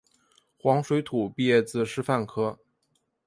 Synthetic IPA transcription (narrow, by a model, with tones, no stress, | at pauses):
xwɑ˧˥ŋʂwe˧˥ɪt̪ʰu˨˩pi˥˧jɛ˥˩t͡sɹ̩˥˩ʂɻ̩˥fa˥˩nkʰɤ˥